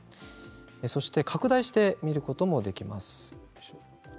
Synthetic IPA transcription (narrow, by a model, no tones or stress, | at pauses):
so̞ɕi̥t̪e̞kʰakɯ̟d̪aiɕi̥t̪e̞mʲiɾɯ̟ko̞t̪o̞mo̞d̪e̞kʲima̰sɨ̥